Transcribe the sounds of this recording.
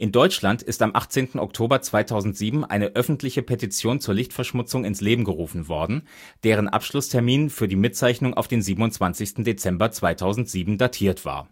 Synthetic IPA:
ʔɪndɔʏt͡ʃlantɪstamʔa̰χt͡seːntn̩ʔɔ̰ktʰoːbɐt͡sv̥aɪtʰaʊzn̩tz̥iːbm̩ʔa̰ɪnəʔœfn̩tʰlɪçəpʰetit͡sjoːnt͡suːɐlɪçtfɛɐʃmʊt͡sʊŋɪnsleːbm̩ɡəʁuːfn̩vɔɐdn̩ | d̥eːʁ̞ənʔa̰pʃlʊstʰɛɐmiːnfyːɐdiːmɪt̚t͡saɪçnʊŋʔa̰ʊfd̥eːnziːbm̩ʊntt͡sv̥ant͡sɪçstn̩det͡sɛmbɐt͡sv̥aɪtʰaʊzn̩tz̥iːbm̩datʰiːɐtv̥a̰ːɐ

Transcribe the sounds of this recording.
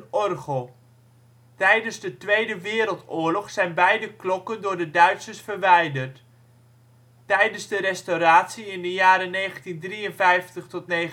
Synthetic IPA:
nɔrχəlˠ | tɛjdənzdətʋejdəʋɪːɾəlˠtʊːɹlɔχsɛjnbɛjdəklɔkəndʊːɹdədœɥtsəsfərʋɛjdərt | tɛjdənzdəɾɛstoɾaːtsiɪndəjaːɾənejχəntindriənvɛjftəχtɔtne

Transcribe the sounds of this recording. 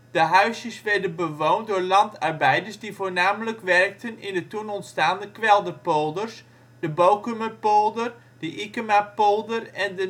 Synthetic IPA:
d̥əɦœɥsjəsʋɛɹdənbəʋowndʊːɹlɑntɑrbɛjdəɹsdivoːɹnaːmələkʋɛrk̚tənɪndətunɔntstaːndəkʋɛlˠdəpolˠdərs | dəbowkyməpolˠdər | d̥əʔɪkəmapolˠdərɛndə

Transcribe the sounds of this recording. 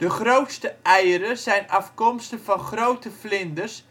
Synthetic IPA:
d̥əχrowtstəɛjəɾəsɛjnɑfkɔmstəvɑnχrowtəflɪndərs

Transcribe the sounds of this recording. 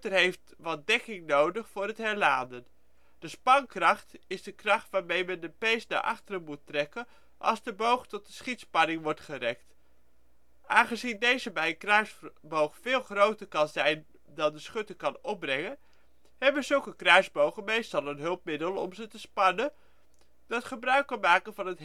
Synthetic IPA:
təɹɦejft | ʋɑt̚dɛkɪŋnowdəχfʊːɾɦətɦɛɹlaːndən | d̥əspɑŋkrɑχtɪzdəkrɑχtʋaːɹmejmɛndəpejsna̰ʔɑ̰χtərəmutrɛkən | ʔɑ̰lˠzdəbowχtɔt̚dəsχitspɑnɪŋʋɔɹtχərɛk̚t | ʔaːnχəzindejzəbɛjəkrœɥsbowχfɪːlˠχrowtəɹkɑnzɛjn | dɑndəsχɵtəkɑnɔp̚brɛŋən | ɦɛbəzɵlˠkəkrœɥzbowχəmejstɑlˠənɦɵlˠp̚mɪdəlˠɔ̰mzətəspɑnə | dɑtχəbrœɥkːɑnmaːkənvɑnət

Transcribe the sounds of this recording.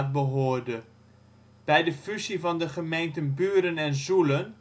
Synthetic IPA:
t̚bəɦoːɹdə | b̥ɛjdəfyzivɑndəχəmejntənbyːɾənɛnzulən

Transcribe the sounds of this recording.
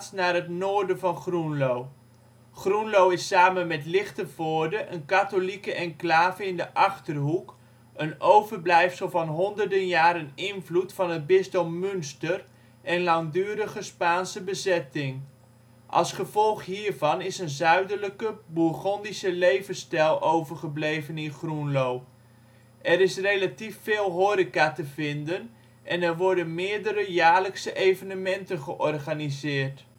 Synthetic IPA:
snaːrɦətnoːɹdəvɑnχrunlow | χrunlowɪsaːmənmɛtlɪχtəvoːɹdəʔənkatolikəʔɛnklaːvəɪndəʔɑχtərɦuk | ənowvəɹblɛjfsəlˠvɑnɦɔndərdənjaːɾənɪnvlutfɑnɦət̚bɪstɔmːʏnstər | ʔɛnlɑŋdyːɾəχəspaːnsəbəzɛtɪŋ | ʔɑ̰lˠsχəvɔlˠχhiːɹvɑnɪsənzœɥdələkəbuχɔndisəlejvəstɛlˠowvərχəblejvənɪnχrunlow | ʔɛɾɪsrejlatifːɪːlˠɦoːɾikatəvɪndən | ʔɛnɛrʋɔɹdənmɪːəɹdəɾəjaːɹləksəʔejvənəmɛntənχəʔɔrχanizɪːərt

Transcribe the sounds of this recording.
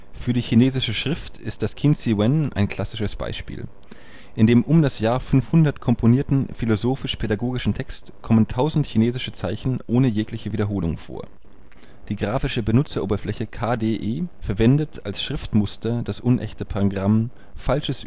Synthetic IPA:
fyːɐdiːçineːzɪʃəʃʁ̥ɪftɪstd̥askʰɪnsiwɛnʔa̰ɪnkl̥asɪʃəsb̥a̰ɪʃpḭːl | ʔɪndeːmʔʊmdasjaːɐfʏnfhʊndɐtkʰɔmpʰoniːɐtn̩filozoːfɪʃpʰedaɡoːɡɪʃn̩tʰɛkstkʰɔməntʰaʊzn̩tçineːzɪʃət͡saɪçn̩ʔoːnəjeːklɪçəviːdɐɦoːlʊ̰ŋfo̰ːɐ | d̥iːɡʁaːfɪʃəbənʊt͡sɐʔoːbɐflɛçəkʰaːdeːʔeːfɛɐvɛndətʰalsʃʁ̥ɪftmʊstʰɐd̥asʔʊnʔɛ̰çtəpʰaʁoɡʁam | falʃəs

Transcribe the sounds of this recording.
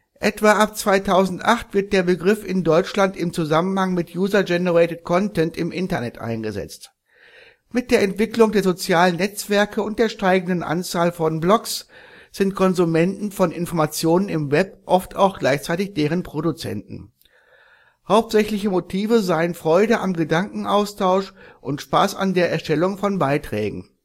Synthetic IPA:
ʔɛtv̥aːʔap̚t͡sv̥aɪtʰaʊzn̩tʔaχtv̥ɪɐt̚d̥eːɐbəɡʁɪfɪndɔʏt͡ʃlantɪmt͡suzamənhaŋmɪtʰjuːzɐd͡ʒɛnəʁɛɪtət̚kʰɔntɛntɪmʔɪntɐnɛtʔa̰ɪnɡəzɛ̰t͡st | mɪt̚d̥eːɐɛntv̥ɪklʊŋdeːɐzot͡sjaːlənːɛt͡sv̥ɛɐkʰəʊnt̚d̥eːɐʃtaɪɡn̩dənʔa̰nt͡saːlfɔnblɔksz̥ɪnt̚kʰɔnzumɛntn̩fɔnɪnfɔɐmat͡sjoːnənɪmvɛpʔɔfta̰ʊxɡ̥laɪçt͡saɪtɪçd̥eːʁ̞ənpʁ̥odut͡sɛ̰ntn̩ | haʊp̚tz̥ɛçlɪçəmotʰiːvəzaɪənfʁ̥ɔʏdəʔamɡədaŋkŋ̩ʔaʊstʰaʊʃʔʊntʃpaːsa̰ndeːɐʔɛɐʃtɛlʊŋfɔnbaɪtʁ̥ɛ̰ːɡŋ̩

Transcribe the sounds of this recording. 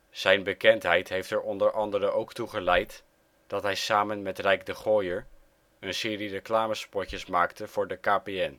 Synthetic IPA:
z̥ɛjnbəkɛntɦɛjtɦejftɛɹʔɔndəɹʔɑndəɾəʔowktuχəlɛjt | d̥ɑtɦɛjsaːmənmɛtrɛjɡ̚dəχɔːjəɹ | ənsɪːrirəklaːməspɔcəsmaːktəv̥ʊːɹdəkaːpeɛn

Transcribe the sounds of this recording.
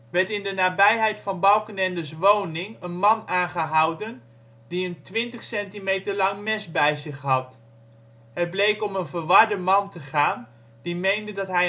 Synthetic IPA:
ʋɛɹtɪndənaːbɛjɦɛjtfɑnbɑlˠkənɛndəs̬ʋownɪŋənmɑnaːnχəɦɑwdən | diəntʋɪntəχsɛntimejtəɹlɑŋmɛsbɛjzɪχɦɑt | ɦət̚blejkɔmənvəɹʋɑɹdəmɑntəχaːn | d̥imejndədɑtɦɛj

